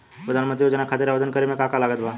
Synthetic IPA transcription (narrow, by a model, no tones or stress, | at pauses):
pɾəd̪ʱaːnmə̃nt̪ɾijoːd͡ʒənakʰaːt̪eɾaʋəd̪ənkəɾemẽkakalaːɡət̪baː